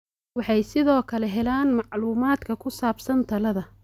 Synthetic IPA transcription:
wɑħɑjsɪðɔːkʰɐlɛɦɛlaːnmɑʕluːmaːd̪kʰɐkʰʊsaːbsɐnt̪ʰɐlɐðɐ

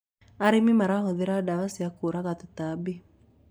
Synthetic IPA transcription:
aɾimimaɾaɦoðɪɾadawasiakoɾaɣat̪ɪt̪abi

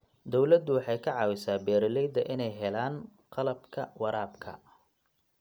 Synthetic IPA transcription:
d̪ɔwlɐd̪ʊwɑħɑjkʰɐʕɑːwɪsaːbɛːɾɪlɛjd̪ɐʔɪnɛjɦɛlaːnqɑlɐbkʰɐwɑɾaːbkʰɐ̰

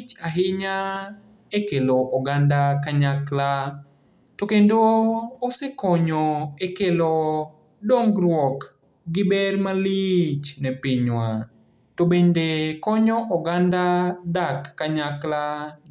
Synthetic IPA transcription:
t͡ʃaɦɪɲa | ekeloʔɔɡandakaɲakla | tokendoːsekɔɲɔekelo | doŋɡɾwɔk | ɡɪbɛrmalit͡ʃnɛpɪɲwa | tobendekɔɲɔʔɔɡandadakːaɲakla

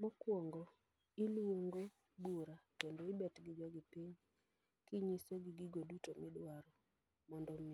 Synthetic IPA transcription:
mɔkwɔŋɡo | ilwoŋɡo | buɾakendoibɛtɡɪd͡ʒɔɡɪpiɲ | kɪɲisoɡɪɡiɡodutomɪdwaɾɔ | mɔndɔm

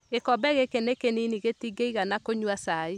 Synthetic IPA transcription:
ɣekɔbɛɣekenekeniniɣetiɡeiɣanakoɲwasai

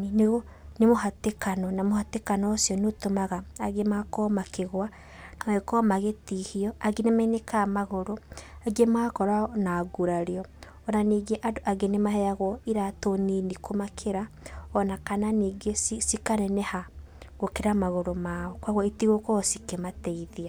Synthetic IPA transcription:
ineɣo | nemoɦatekanɔnamohatekanɔsijɔnotomaɣaaɣemakɔmakʰeɣwa | naɣekɔmaɣetihiɔaɡenemɛnekamaɣoɾoaɡemaːkɔɾanaɡuɾaɾeɔ | ɔnaniːɡeʔadoʔaɡenemaɦɛjaɣwɔiɾatoninikʰomakʰeɾa | ɔnakananiːɡesisikaɾɛnɛhaɣokeɾamaɣoɾomaɔkwaɣwɔitiɣokɔsikematɛiðia

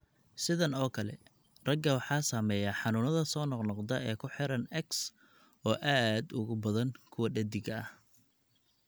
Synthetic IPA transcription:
sɪðɐnɔːkʰɐlɛ̰ | rɐɡɐwɑħɑːsaːmɛːjaħɑnʊːnɐðɐsɔːnɔqnɔqd̪ɐʔɛːkʰʊħɪɾɐnɛks | ɔːʔaːd̪ʊɣʊbɐðɐŋkʰʊwɐɖɐd̪ɪɡɐɐh

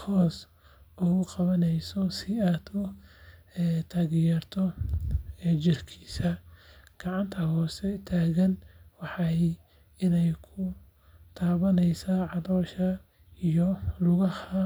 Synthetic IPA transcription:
hɔːs | ʊɣʊqɑβɐnɛjsɔsɪaːt̪ʰɔ | ɛt̪ʰaːɣjɛrt̪ʰɔ | ɛːt͡ʃɪrkʰiːsɐɡ̥ɑʕɑnt̪ʰɐhɔːsɛt̪ʰaːɣɐnwɑħɑ | ɪnɛjkʰʊ | t̪ʰaːβɐnɛjsaʕɑðɔːʃɐ | ijɔlʊɣɐhɐ

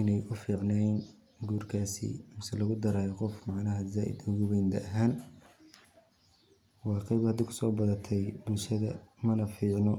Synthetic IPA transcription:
ʔɪnɛjʔʊfiːʕnɛn | ɡuːrkʰaːsḭmɪsɛlɐɣʊd̪ɐɾaːjɔqɔfmɑʕnɐɦɐzaːʔɪ̰d̪ʊɣʊβɛjnd̪ɐɐɦaːn | wɑːqɑjbhɐd̪ɪkʰʊ̥sɔːbɐðɐt̪ʰɛjbʊlʃɐðɐmɐnɐfiːʕnɔ

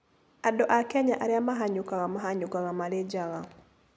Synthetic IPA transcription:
adɔʔakɛɲaʔaɾɪamaɦaɲʊkaɣamaɦaɲʊkaɣamaled͡ʒaɣa

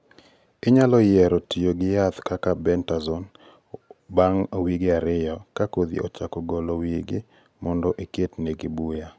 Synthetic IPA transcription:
ɪɲalɔjɛɾɔtijoɡɪjat̪kakabɛntazɔn | baŋwiɡɪaɾɪjɔkakod̪ḭɔt͡ʃakɔɡɔlowiɡɪ | mɔndɔʔeketneɡɪbuja

